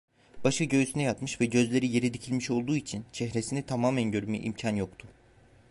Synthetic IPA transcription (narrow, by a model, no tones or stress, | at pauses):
baʃɯɟø̞ysynɛjat̪mɯʃvɛɟø̞zlʲe̞ɾije̞ɾid̪icʰilʲmiʃo̞lˠd̪uːit͡ʃʰint͡ʃʰɛhɾe̞sinit̪ʰamaːmænɟø̞ɾymy̰ʔḭmcʰanjo̞kt̪ʰʊ